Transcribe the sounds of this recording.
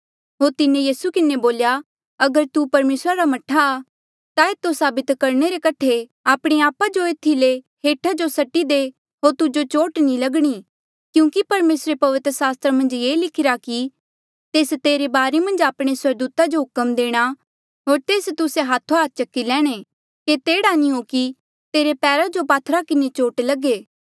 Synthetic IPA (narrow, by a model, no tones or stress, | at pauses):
ɦoːɾt̪ɪnẽjiːsukɪnːeboːlja | ɐɡəɾt̪upɐɾmeːsɾaɾamɐʈʰaː | t̪aeːt̪ːosaːbɪt̪kɐɾɽ̃eɾekɐʈʰeaːpɽ̃eaːpad͡ʒoeːt̪ʰile | ɦeːʈʰad͡ʒosɐʈːid̪e | ɦoːɾt̪ud͡ʒot͡ʃoːʈnĩlɐɡɽ̃i | kjũːkipɐɾmeːsɾepɐʋɪt̪ɾəsaːst̪ɾəmɐ̃nd͡ʒjeːlɪkʰɪɾaki | t̪eːst̪eːɾebaːɾemɐ̃nd͡ʒaːpɽ̃eswɐɾd̪uːt̪ad͡ʒoɦʊkəmd̪eːɽ̃a | ɦoːɾt̪eːst̪ʊseɦaːt̪ʰoaːt̪̚t͡ʃɐkːilɛːɽ̃e | ket̪eːɽanĩɦoki | t̪eːɾepɛːɾad͡ʒopaːt̪ʰːɾakɪnet͡ʃoːʈlɐɡeː